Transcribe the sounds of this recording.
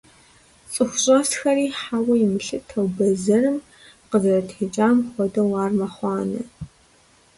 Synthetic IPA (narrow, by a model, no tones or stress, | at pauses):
t͡sʼɨxʷʊɕʼɐstxɐriːħawɐjɪmɨɬɨtʰɐwbɐzɐrɨm | qəzɐrɐtʰeːt͡ʃʼaːmχʷɔdɐwɑːrmɐχʷɑːnɨ̰